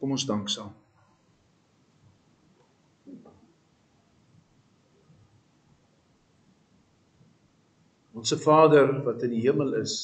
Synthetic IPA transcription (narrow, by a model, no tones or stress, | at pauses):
kɔmɔnsdɐŋksɑːm | ɔnsəfɑːdərvɐtəndiɦiəmələs